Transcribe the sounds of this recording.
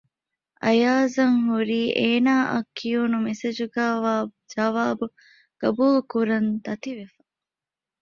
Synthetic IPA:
ʔɐ̰jaːzɐŋɦuɾiːʔeːnaːʔɐkːiunumesed͡ʒuɡaːʋaːd͡ʒɐʋaːbu | ɡ̥ɐbuːlukuɾɐnd̪ɐt̪iʋefɐ̥

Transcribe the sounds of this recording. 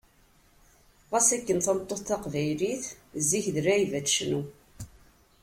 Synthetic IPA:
ʁæsækːənθænət̪ˤːoθθɑqvæjliθ | ziçðəɾæivætʃnu

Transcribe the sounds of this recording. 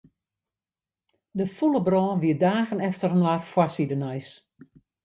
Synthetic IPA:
dəfuləbrɔːʋiədaːɣənɛftərənwarfwasidənajs

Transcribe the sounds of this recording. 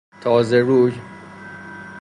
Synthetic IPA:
t̪ʰɒːzeɾuːj

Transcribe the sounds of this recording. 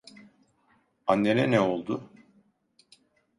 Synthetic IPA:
anːeɾɛnɛo̞lˠd̪ʊ

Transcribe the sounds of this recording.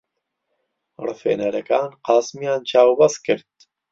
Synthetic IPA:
ɾfḛnɐɾɐkaːnqɑːsmijaːnt͡ʃʰaːwbɐskəɾd̪

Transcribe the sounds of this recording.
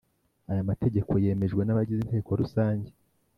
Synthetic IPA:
ajamate̞ɟe̞ko̞je̞ːme̞ʒɡwe̞naβaɟizinteeko̞ɾusaːɲɟe̞

